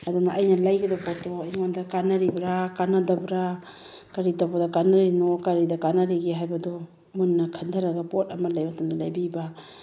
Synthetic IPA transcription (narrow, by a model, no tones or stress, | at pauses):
adunaʔajnalajɡɐdɔpɔtɔiŋandakanaɾibɾakanadabɾa | kaɾidabɔdakanaɾinɔkaɾidakanaɾiɡeɦajbɐdɔ | mɯnːɐkʰandʰʱaɾaɡapɔtɐmalajbatamdɔlajbiba